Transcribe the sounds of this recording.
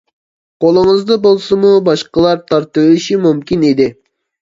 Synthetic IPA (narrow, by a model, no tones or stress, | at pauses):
qʰolˠɨŋɨzd̪ɑbolˠsɨmubɑʃqəlˠɑɾt̪ʰɑɾt̪ɨwɪlɪʃimumkʲinid̪ɪ